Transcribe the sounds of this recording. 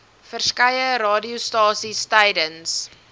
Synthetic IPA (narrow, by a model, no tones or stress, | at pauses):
fərskɐjəɾɑːdiustɑːsistɛjdəns